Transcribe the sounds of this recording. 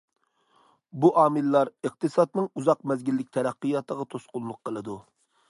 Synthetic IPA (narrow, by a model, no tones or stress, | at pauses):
buʔɑːmɨlːɑɾəq̚t̪ɨsɑd̪nɨŋuzɑqmɛzɡʲilːɪk̚ʲt̪ʰɛɾæqːɨjɑt̪ʰəʁɑt̪ʰosqʊnˠlˠʊqʰːəlˠɨd̪u